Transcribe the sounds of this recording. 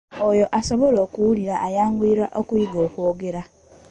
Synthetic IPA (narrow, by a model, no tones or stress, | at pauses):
ojo̞ʔaso̞βoloːkuwuliɾaʔːjaːŋɡuiɾaʔokuiɡoːkwoːɡeɾa